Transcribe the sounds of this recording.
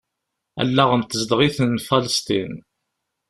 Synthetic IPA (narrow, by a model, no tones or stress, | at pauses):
æ̰lːaʁənt̪əzd̪ʁiθənfɑləst̪ḭn